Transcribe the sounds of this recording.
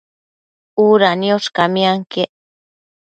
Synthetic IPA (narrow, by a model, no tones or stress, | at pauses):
uɾanioskamiaŋkeʔ